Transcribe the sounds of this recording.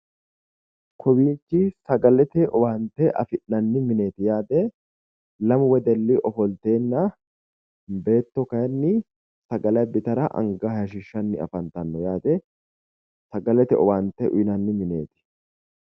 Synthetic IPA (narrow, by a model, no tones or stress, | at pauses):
kʰɔbiːt͡ʃːɪsɐɡɐlɛt̪ɛɔbaːnt̪ɛʔɐ̰fɪʔːɐnːɪmɪne̞ːt̪ɪjaːd̪ɛ | lɐmʊwɛd̪ɛlːɪʔɔfɔlt̪e̞ːnːɐ | be̞ːt̪ːɔkɐjɐnːɪ | sɐɡɐlɐjbɪt̪ɐɾɐʔɐ̰ŋɡɐhɐjɐʃɪʃːɐnːɪɐ̰fɐnt̪ɐnːɔjaːd̪ɛ | sɐɡɐlɛt̪ɛɔwaːnt̪ɛʔʊ̰jɪnɐnːɪmɪne̞̰ːt̪ɪ̥